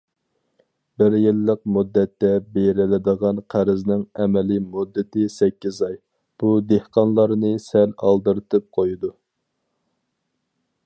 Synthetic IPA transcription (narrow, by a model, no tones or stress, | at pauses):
bɪɾjɪlːəq̚mud̪ːɛt̪ːɛbeɾɪlɪd̪əʁɑnqʰæɾɪznɪŋɛmɛlimud̪ːɪt̪ɪsɛkʲːizɑj | b̥ud̪ehqʰɑnlˠɑɾnɨsɛlɑ̰lˠd̪ɨɾɨt̪ʰɨp̚qʰojud̪u